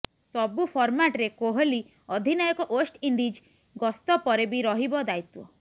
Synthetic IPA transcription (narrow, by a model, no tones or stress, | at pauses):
sɔbupʰɔɾmaʈɾekoɦɔli | ɔd̪ʱinɔjɔkɔʔosʈiɳɖid͡ʒ | ɡɔst̪ɔpɔɾebiɾɔɦibɔd̪ajt̪wɔ̰